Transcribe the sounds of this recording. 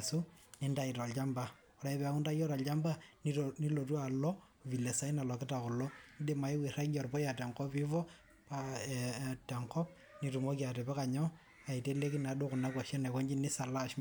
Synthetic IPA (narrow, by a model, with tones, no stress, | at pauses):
su˦ni˦nda˦i˨tɔ˨lt͡ʃa˦mba˨ | ɔ˨ɾa˨i˦pɛ˨a˨ku˦nda˦jɔ˦ɾa˨lt͡ʃa˦mba˦nini˦lo˨tu˦a˨lɔ˦ | ʋi˨le˨sa˦i˦na˨lɔ˨kɪ˦ta˨kɔ˨lɔ˦ndi˦ma˨i˦wi˨ra˦ɡɔ˨rpɔ˦ja˨tɛ˨ŋkɔ˦pi˦vɔ˦ | pa˦ | tɛ˨ŋkɔ˦p̚ | ni˨tu˨mo˦kja˨tɛ˨pɛ˦ka˨ɲɔ˦ | a˨i˨te˦le˦ki˦na˨du˦kʊ˨na˦kwa˨ʃɛ˦nɛ˨kɔ˦ɲd͡ʒi˦ni˦sa˨la˦ʃ